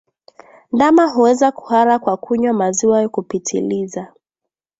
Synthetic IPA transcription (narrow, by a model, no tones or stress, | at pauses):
ndamaɦuwɛzaku̥haɾakwakʰuɲwamaziwajɔkupitʰḭliza